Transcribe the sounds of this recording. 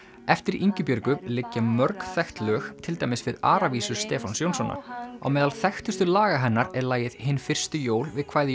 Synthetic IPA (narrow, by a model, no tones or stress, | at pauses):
ɛft̪ɪɾiɲcʏpjœɾkʏlɪcːamœɾkθɛxt̪lœːxt̪ʰɪlt̪aːjmɪsvɪða̰ːɾaviːsʏ̥st̪ɛːfansjownsɔna̰a̰wmɛːðalθɛxt̪ʏst̪ʏlaːɣaɦɛnːaɾɛɾlaːjɪðhɪnːfɪr̥st̪ʏjoːwlvɪðkʰv̥aːjðɪ